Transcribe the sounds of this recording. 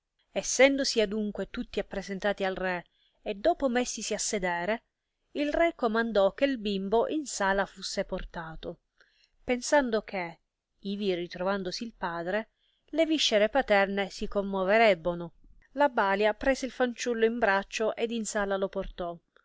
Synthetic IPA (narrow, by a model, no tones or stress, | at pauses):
ɛsːɛnd̪osiad̪uŋkwet̪ut̪ːiapːɾezent̪aːt̪ialrɛ | ed̪ɔːpomesːisiasːed̪ɛːɾe | ilrɛkːomand̪ɔk̟ːelbimboʔinsaːlafusːeport̪aːt̪o | pensand̪ok̟ʰe | iːvirit̪ɾovand̪osiːlpaːd̪ɾe | leviʃːeɾepat̪ɛrnesikomːoveɾɛbːono | labaːljapɾɛːzeilfant͡ʃulːoimbɾat͡ʃːoʔed̪insaːlaloport̪ɔ